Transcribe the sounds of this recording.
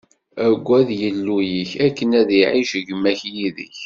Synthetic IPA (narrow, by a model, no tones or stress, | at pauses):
æɡʷːæðjəlːujiçækːənæðiʕiʃʝəmːæçjiðə̰ç